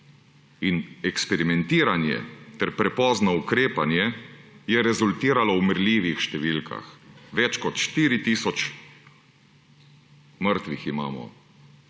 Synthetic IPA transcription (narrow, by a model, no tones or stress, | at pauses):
inɛkspɛɾimɛnt̪iːɾanjɛ̰t̪ɛɾpɾɛpɔːznɔukɾeːpanjɛjɛɾɛzult̪iːɾalɔwməɾlʲiːʋixʃt̪ɛʋiːlkʰa̰xʋɛt͡ʃkɔt̪ʃt̪iːɾit̪iːsɔt͡ʃ | məɾt̪ʋixima̰ːmɔ̰